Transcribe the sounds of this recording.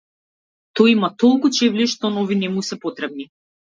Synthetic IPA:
t̪ɔjimat̪ɔlˠkut͡ʃɛvliʃt̪ɔnɔvinɛmusɛpɔt̪ɾɛb̚ni

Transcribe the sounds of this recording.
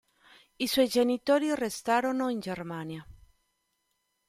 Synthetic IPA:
iswɔjd͡ʒenit̪oːɾirest̪aːɾonoind͡ʒermaːnja

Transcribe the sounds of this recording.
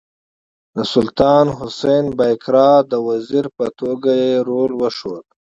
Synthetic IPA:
d̪əsʊlt̪ɑːnɦʊsejnbajkɾɑːd̪əwaziɾpət̪oɡajeɾolwəʂod̪

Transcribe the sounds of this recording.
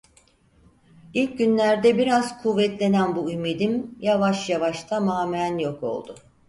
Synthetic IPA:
ilʲc̚ɟynlʲæɾd̪ɛbiɾaz̥kʰuvːɛt̪lʲe̞nænbuymid̪imjavaʃjavaʃt̪ʰamaːmænjo̞ko̞̰lˠd̪ʊ

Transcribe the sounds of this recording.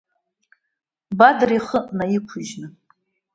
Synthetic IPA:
badriχəʔnajikʷʰuʒnɨ

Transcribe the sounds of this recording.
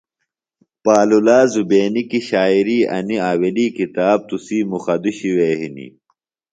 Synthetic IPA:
paːlulaːzubeːnikiɕaːiɾiːɐ̰niaːweliːkit̪aːb̚t̪usiːmuxɐd̪uɕiweːɦinḭ

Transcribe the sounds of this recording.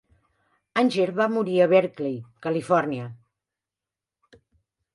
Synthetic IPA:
anʲʒeɾβamuɾiəβɛɾklejkəlifɔrniə

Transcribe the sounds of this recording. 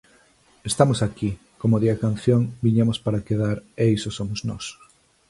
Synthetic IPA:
est̪amosaki | komoðiakan̟θjoŋbiɲamospaɾakeðaɾejsosomoznɔs

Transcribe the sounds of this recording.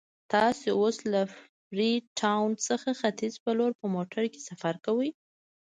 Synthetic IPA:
t̪ɑseoslaf | ɾiʈʰawnsəxaxat̪izpəloɾpəmoʈʰaɾke̥safaɾkawəj

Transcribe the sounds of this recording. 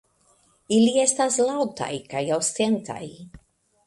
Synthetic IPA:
iliestaslawta̰jkajawst̪ent̪a̰j

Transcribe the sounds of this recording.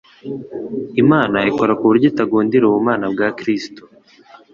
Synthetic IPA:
imaːnaiko̞ɾakuβuɾɟetaɡuːndiɾoβumaːnabɡaːkɾisto̥

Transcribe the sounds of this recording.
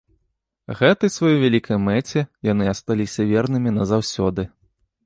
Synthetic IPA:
ɣɛt̪ɐjsvajɔvʲalʲikʰɐjmɛt͡sʲɛjanɨɐst̪alʲisʲɐvʲɛrnɨmʲinɐzawsʲɔd̪ɨ

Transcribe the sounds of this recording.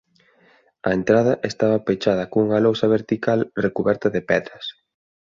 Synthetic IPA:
ɐent̪ɾaðɐʔest̪aβɐpet͡ʃaðɐkouŋɐlowsɐβeɾt̪ikalrekuβɛɾt̪ɐðepɛðɾɐs

